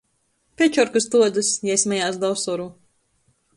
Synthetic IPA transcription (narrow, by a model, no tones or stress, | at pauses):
pʲɛt͡ʃɔɾkust̪uɔd̪zusjɛjsʲmʲɛjaːsd̪awsɔɾuː